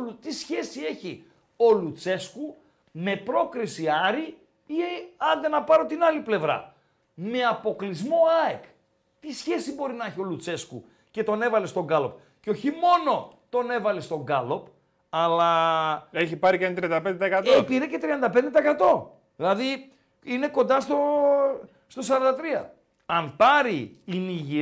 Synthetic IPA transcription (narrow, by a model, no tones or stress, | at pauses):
ut̪isçe̞sie̞çi | o̞lut͡se̞sku | me̞pɾo̞kɾisiɐɾi | iɐnd̪enɐpɐɾo̞t̪inɐliple̞vɾɐ̰ | me̞ɐpo̞klizmo̞ɐek | t̪isçe̞sibo̞ɾinɐeçio̞lut͡se̞sku | ce̞t̪o̞ne̞vɐle̞st̪o̞ŋɡɐlo̞p̚ | ceo̞çimo̞no̞t̪o̞ne̞vɐlest̪o̞ɡɐlo̞p | ɐlɐeçipɐɾiceɐnt̪ɾiɐnd̪ɐped̪et̪ɐekɐt̪oepiɾece̞t̪ɾiɐnd̪ɐpe̞nd̪e̞t̪ɐekɐt̪o̞ | ðilɐði | ine̞ko̞nd̪ɐst̪o | st̪o̞s̬ɐɾɐnd̪ɐt̪ɾiɐ̰ | ɐnpɐɾiːniʝi